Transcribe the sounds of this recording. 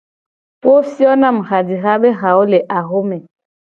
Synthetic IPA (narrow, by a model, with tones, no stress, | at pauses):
po˦si˦ɔ˦na˦˨m̩˨ɣa˨di˨ɣa˦ɓe˦ɣa˨o˦le˨ʔa˨ɣo˦mɛ˨